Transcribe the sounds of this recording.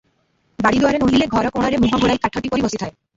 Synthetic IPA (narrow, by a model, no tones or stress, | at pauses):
baɽid̪oaɾenoɦileɡʱɔɾɔkoɽ̃aɾemuɦaɡʱoɽajkaʈʰːoʈipoɾibosit̪ʰae